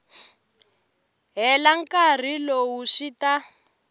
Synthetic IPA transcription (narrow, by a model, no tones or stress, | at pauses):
ɦɛlaŋkar̤ilowuʃita